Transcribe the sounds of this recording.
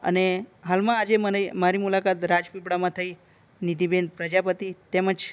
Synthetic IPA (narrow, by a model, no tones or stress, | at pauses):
ə̰neɦalmãːd͡ʒemənmaɾimulakat̪ɾad͡ʒpipɽamãt̪ʰəi | nid̪ibenpɾəd͡ʒapət̪it̪eməd͡ʒ